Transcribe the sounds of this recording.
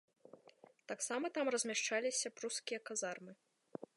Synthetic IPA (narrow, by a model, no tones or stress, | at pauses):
t̪aksamɐt̪amrɐzʲmʲaʂt͡ʂalʲisʲɐpɾuskʲijɐkazarmɨ